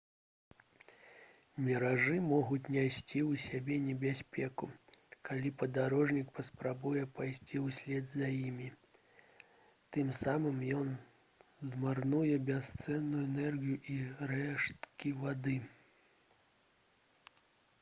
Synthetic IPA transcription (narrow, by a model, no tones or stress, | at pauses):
mʲɛɾaʐɨmɔɣut͡sʲnʲajsʲt͡sʲiwsʲabʲɛnʲɛbʲasʲpʲɛkukalʲipɐd̪aɾɔʐnʲikpɐspɾabujɛpajsʲt͡sʲiwsʲlʲɛd̪zɐjimʲi | t̪ɨmsamɨmjɔn | zmarnujɛbʲast̪sɛnːujuɛnɛrɣʲijuʔiɾɛʂt̪kʲivad̪ɨ